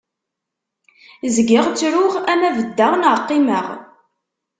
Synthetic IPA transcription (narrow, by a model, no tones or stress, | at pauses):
zɡɪʁt͡sːɾʊʁænævəd̪ːəʁnəqːiməʁ